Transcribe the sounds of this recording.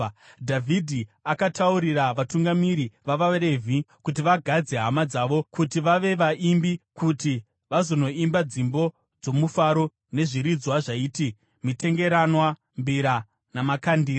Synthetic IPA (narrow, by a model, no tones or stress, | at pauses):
dʱavʱidʱiakatʰauɾiraʋatuŋɡamiɾiʋaʋaɾe̞vʱikut̬iʋaɡʱad͡ze̞ɦamad͡zaʋo̞kutiʋaʋe̞ʋaʔimbikuti | ʋazo̞no̞imbad͡zimbo̞ | d͡zo̞mufaɾo̞ | ne̞ʐiɾid͡zwaʐaiːti | mite̞ŋɡe̞ɾanwa | mbiɾa | namakandiː